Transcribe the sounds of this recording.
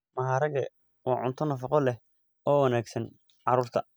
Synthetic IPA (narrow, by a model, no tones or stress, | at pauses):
mɐɦaːɾɐɣɐ | wɑːʕʊnt̪ʰɔnɐfɑqɔlɛh | ɔːwɑnaːɡsɐn | ʕɑɾuːrt̪ʰɐ